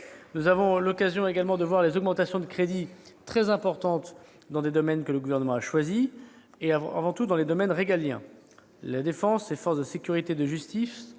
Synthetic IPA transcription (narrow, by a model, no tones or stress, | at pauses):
nuzavɔ̃lɔkazjɔ̃eɡalmɑ̃d̪əvwaʁlezɔɡmɑ̃t̪asjɔ̃d̪əkχed̪it̪χɛzɛ̃pɔʁt̪ɑ̃t̪ | d̪ɑ̃d̪ed̪ɔmɛnkələɡuvɛʁnəmɑ̃aʃwazi | eaa̰vɑ̃t̪ud̪ɑ̃led̪ɔmɛnʁeɡaljɛ̰̃ | lad̪efɑ̃sefɔʁsd̪əsekʲyʁit̪ed̪əʒyst̪is